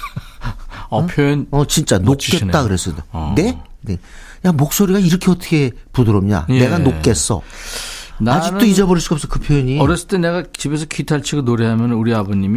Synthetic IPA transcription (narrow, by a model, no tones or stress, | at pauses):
pʰjojnʌt͡ɕint͡ɕ͈anokk͈et̚t͈akɯɾes͈ʌdene̞ | ne̞ | jamok̚s͈oɾiɡaiɾʌkʰe̞ʌt͈ʌ̥kʰepudɯɾʌmɲa̰ne̞ɡanok̚k͈es͈ʌ̰ | naad͡ʑint͈oid͡ʑebʌɾiɭs͈iɡʌpsʌkɯpʰjojʌɲiʌɾʌs͈ɯɭt͈ene̞ɡat͡ɕibe̞s̬ʰʌkʰitʰaɭt͡ɕʰiɡɯɭnoɾeɦamjʌnnuɾiaboɲimi